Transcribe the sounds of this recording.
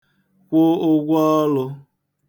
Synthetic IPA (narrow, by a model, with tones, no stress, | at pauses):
kʷo˦ʊ˦ɡʷɔ˦lʊ˧